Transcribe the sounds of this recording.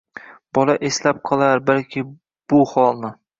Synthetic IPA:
b̥ɒlaʔeslap̚qʰɒlˠaɾbalkʲʰɪ | b̥ʊhɒlˠnɪ

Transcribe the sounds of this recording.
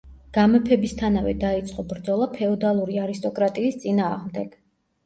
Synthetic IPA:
ɡ̥amɛpʰɛbist̪ʰanavɛd̪ait̪sʼqʼɔbɾd̪zɔlˠapʰɛɔd̪alˠuɾiaɾist̪ʼɔkʼɾat̪ʼiːst̪sʼinaːʁmd̪ɛɡ̥

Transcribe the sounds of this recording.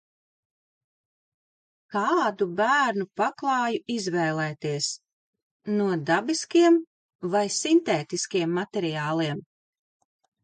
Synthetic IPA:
kɑːd̪ubæːɾnupaklˠɑːjuizvɛːlˠɛːt̪iɛs | nuɔd̪abiskiɛm | vajsint̪eːt̪iskiɛmːat̪ɛɾiɑːlˠiɛm

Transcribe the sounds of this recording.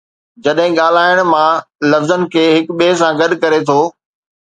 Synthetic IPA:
d͡ʑɐɗɦɪ̃ɠaːl̤aːɪəɽ̃mãlɐfzənɪ̆kʰeːɦɪkɓeːs̬ãɡɐɗkɐɾet̪ʰoː

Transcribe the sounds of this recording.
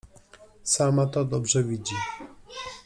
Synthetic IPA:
samat̪ɔd̪ɔbʐɛvʲid͡ʑi

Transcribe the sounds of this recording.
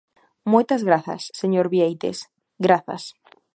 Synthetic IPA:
mojt̪azɣɾaθɐ̰sːeɲoɾβiejt̪ḛs | ɡɾaθa̰s

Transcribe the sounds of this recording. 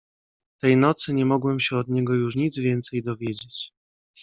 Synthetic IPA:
t̪ɛjnɔt̪sɘɲɛmɔɡwɛmɕɛɔd̪ɲɛɡɔjuʂ̬ɲid̪zvʲjɛnt̪sɛjd̪ɔvʲjed͡ʑet͡ɕ

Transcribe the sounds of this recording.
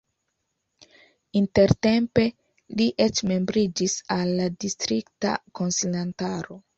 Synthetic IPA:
inte̞ɾte̞mpe̞ | liʔet͡ʃme̞mbɾid͡ʒisalːadistɾikta̰ko̞nsilantaɾo̞

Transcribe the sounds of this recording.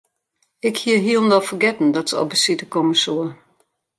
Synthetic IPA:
ɪkhiəɦiəlˠndɔfərɡɛtn̩dɔtsəɔ̰lbəsitəkɔməsuə

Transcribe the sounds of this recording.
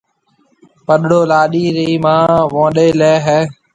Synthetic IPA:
pəɗɽoːlaːɗiːɾiːmãːʋõːɗeːleːɦɛː

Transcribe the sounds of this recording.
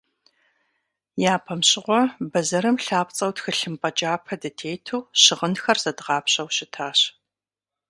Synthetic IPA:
jaːpʰɐmɕɪʁʷɔbɐzɐɾɨmɬaːpt͡sʼɐwtxɨɬɨmpʼɐd͡ʒʼaːpʰɐdɐtʰeːjtʰuːɕɪʁənxɐrz̥ɐdʁɑːpɕʼɐwɕɪtʰaːɕ

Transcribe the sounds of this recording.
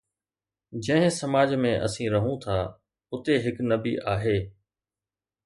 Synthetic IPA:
d͡ʑɐ̃ɦɪ̃sɐmaːd͡ʑmẽʔɐ̰sĩɾɐɦũt̪ʰaː | ʊt̪eɦɪknɐbiʔaːɦeː

